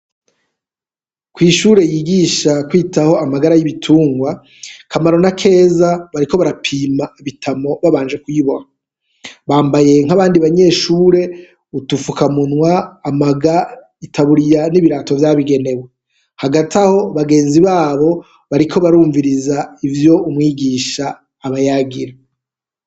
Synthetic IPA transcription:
kwiːʃuːɾe̞jiɡiːʃakwiːtaho̞amaɡaɾajiβitʰuːŋɡwa | kʰamaɾo̞nakʰe̞ːzaβaɾiko̞βaɾapʰiːmaiβitʰamo̞βaβaːnd͡ʒe̞kujiβo̞ɾa | βaːmbaje̞ŋ̥aβaːndiβaɲe̞ʃuːɾe̞ | utufukamunwaːmaɡa | itʰaβuɾijaniβiɾaːto̞vjaːβiɡe̞ne̞we | haɡatʰaho̞βaɡe̞ːnziβaːβo̞ | βaɾikʰo̞βaɾuːɱviɾizaivjo̞umŋiːɡiːʃaː | βajaɡiɾa

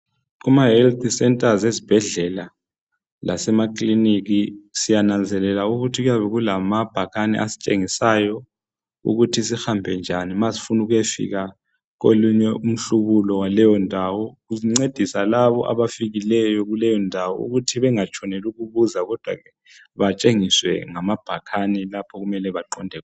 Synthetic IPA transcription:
ɣumaɦɛlt̪ʰʼisɛntʼazezib̥ʱɛɮɛla | la̰sɛmakʼliniɣisijanand͡zʱɛlɛlauɣutʰiɣujaβɛɣulamab̥ʱaɣanɛ̰ʔasi̥t͡ʃʼeŋisajɔ | ṵɣutʰisixambʱɛnd͡ʒʱanimasi̥funuɣujefḭɣa | koluɲɛʔum̩ɬuɣulɔwalɛjɔndʱawɔɣuziŋ͡ǀed̥ʱisalaβɔʔa̰βafiɣilɛjɔɣulɛjɔndʱawɔ̰ṵɣutʰiβɛŋat͡ʃʰʼɔnɛluɣuβuzaɣɔd̥ʱwa̰ɣɛ | βat͡ʃʼeŋiswɛ̰ŋamab̥ʱakʰanilapʰɔɣumɛlɛβaǃɔndʱɛ

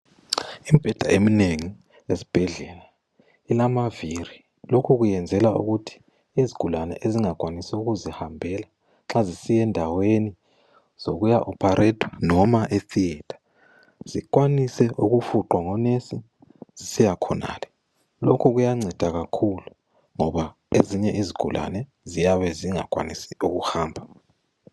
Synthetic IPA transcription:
im̩b̥ʱɛd̥ʱa̰ʔemineŋi | esib̥ʱɛɮɛːla | ilamaviri | lokʰuɣujɛnd͡zʱɛlaṵɣutʰi̥ | iziɡ̥ʱulanɛ̰ʔeziŋak̬ʼwanisɛuɣuzihambʱɛla | ŋ͡ǁazisijɛndʱaweni | z̥oɣujaʔɔpʰaɾʔɛtʰwanɔmaʔeθiɛtʰḁ | z̥ikʼwanisɛʔuɣufuǃwaŋɔnesi | z̥isijakʰɔna̰ːlɛ | lokʰuɣujaŋ͡ǀʱɛd̥ʱaɣakʰulu | ŋɔβa | eziɲɛʔiziɡ̥ʱṵla̰nɛ | zijaβɛziŋa̰kʼwa̰nisi̥uɣuhaːmbʱa

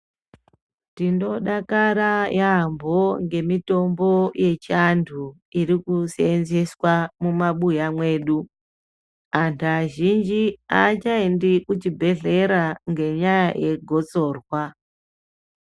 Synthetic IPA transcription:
tindo̞ɗakaɾajambo̞ŋɡe̞mito̞mbo̞je̞t͡ʃandʰu | iɾikusenzeswamumaɓujamwe̞ːɗu | antʰaʒind͡ʒiat͡ʃaendikut͡ʃibʱe̞ɮe̞ɾaŋɡe̞ɲajaje̞ɡʱo̞t͡so̞ːrwa

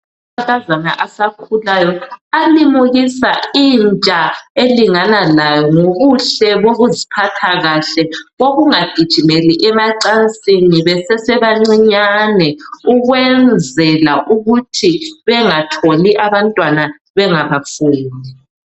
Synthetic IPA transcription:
akazana̰ʔasakʰulajɔalimuɣisaiːnt͡ʃʼaeliŋanalajɔŋoɣuɬɛβoɣuzipʰatʰaɣaɬɛɣoɣuŋaɡ̥ʱid̥ʒ̥ʱimeliʔɛmaǀant͡sʼiniβɛsɛsɛβaŋ͡ǀiɲanɛuɣwɛnd͡zʱɛlaʔuɣutʰiβɛŋatʰoliʔaβantʼwana | βɛŋaβafuːni

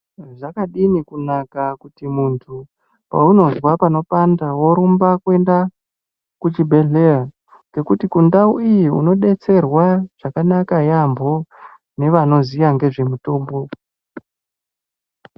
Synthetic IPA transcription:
ʐakaɗinikunakakutimuntʰu | pa̰uno̞zwapano̞pandawo̞ɾumbakwe̞nda | kut͡ʃibʱe̞ɮe̞ja | ŋɡe̞kutikundauijiṵno̞ɗe̞t͡se̞rwaʐ̥akanakajambo̞ | ne̞ʋano̞zijaŋɡe̞ʐe̞muto̞ːmbo̞

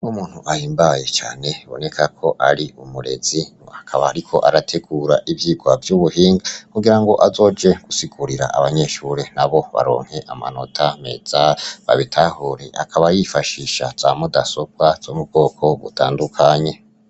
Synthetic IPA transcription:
numuːn̥huʔahiːmbaje̞t͡ʃa̰ːne̞βo̞̰ne̞kʰakʰo̞ʔaɾiumuɾe̞̰zi | akʰaβaɾikʰo̞̰ʔaɾatʰe̞ɡuːɾaʔivjiːɡwavjuβuhiːŋɡakuɡiɾaŋɡo̞ʔazo̞ːd͡ʒe̞ɡ̥usiɡuɾiɾa̰ʔa̰βaɲe̞ʃuɾen̥aβo̞βa̰ɾo̞̰ːŋ̥he̞ʔama̰no̞tʰame̞̰z̥aβa̰βitʰahoɾeʔa̰kʰaβajifaʃiʃaz̥aːmudasob̚waz̥omub̚ɡo̞ːkʰo̞βṵtʰa̰ːndukʰaɲe̞

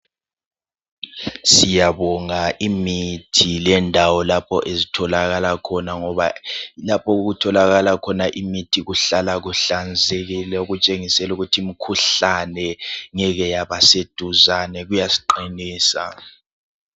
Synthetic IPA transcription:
sijaβɔŋaʔimitʰilɛndʱawɔlapʰɔ̰ʔezitʰɔlaɣalakʰɔnaŋɔβalapʰɔuɣutʰɔlaɣalakʰɔnaʔimitʰiɣuɬalaɣuɬand͡zʱeɣilɛuɣut͡ʃʼeŋisɛluɣutʰiːm̩kʰuɬanɛŋɛɣɛjaβased̥ʱuzanɛɣujasi̥ǃiniːsa̰

